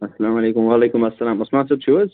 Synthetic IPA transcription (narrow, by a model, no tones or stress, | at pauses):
ɐsːɐlaːmɐleːkʊmwaːleːkʊmɐsːɐlaːmɐsmaːnsɐb̚t͡ʃʰuɐz